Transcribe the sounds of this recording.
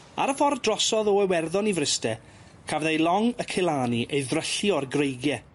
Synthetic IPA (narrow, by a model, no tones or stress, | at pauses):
a̰ɾəfɔrdrɔsɔðɔəwɛrðɔnivrɪstɛ | kʰavðejlˠɔŋəkʰɪlˠaːniʔejðrəɬiɔrɡrejɡjɛ